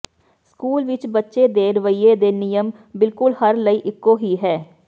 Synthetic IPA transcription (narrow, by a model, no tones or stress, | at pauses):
skuːlʋɪt͡ʃbətːʃeːd̪eːɾəʋəiːeːd̪eːnɪjəm | bɪlkʊlhəɾləiːʔɪkːoːɦiːɦɛː